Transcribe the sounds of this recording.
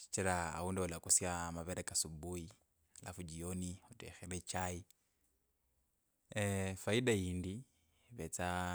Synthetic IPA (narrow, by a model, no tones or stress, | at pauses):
i̥t͡ʃiɾa̰ːundɛulakusijamaβeɾɛkasubui | la̰fud͡ʒioniutɛ̰xelɛt͡ʃai | faidaiːndi | βɛt͡sa